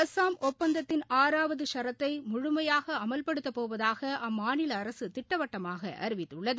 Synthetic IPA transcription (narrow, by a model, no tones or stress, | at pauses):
ɐsaːmɔpːɐnd̪ɐt̪ːɪnʔaːɾaːʋɐðɯʂɐɾɐt̪ːɐɪmʊɻʊmɐjaːɣɐɐmɐlpɐɽɯt̪ːɐpːoːʋɐðaːɣɐʔɐmːaːnɪlɐːɾɐsɯt̪ɪʈːɐʋɐʈːɐmaːɣɐʔɐ̰ɾɯʋɪt̪ːɯɭːɐðɯ